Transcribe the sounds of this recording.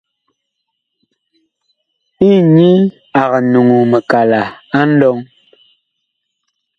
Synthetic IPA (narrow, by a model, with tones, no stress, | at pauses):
i˦˨ɲi˦ | a˨ɣa˨nu˨ŋu˨mə˨ka˨la˨a˦n̩˦dɔ˦ŋ